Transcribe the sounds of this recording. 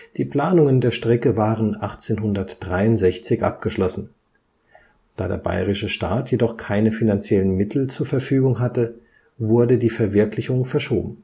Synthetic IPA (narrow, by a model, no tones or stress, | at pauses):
d̥iːpl̥aːnʊŋəndeːɐʃtʁ̥ɛkəvaːʁənʔaχt͡seːnɦʊndɐtd̥ʁaɪʊntzɛçt͡sɪçʔa̰p̚ɡ̥əʃlɔsn̩ | d̥a̰ːdḛːɐba̰ɪʁɪʃəʃta̰ːtjedɔχkʰaɪnəfinant͡sjɛlənmɪtʰl̩t͡suːɐfɛɐfyːɡʊŋɦatə | vʊɐdədiːfɛɐvɪɐklɪçʊŋfɛɐʃo̰ːbm̩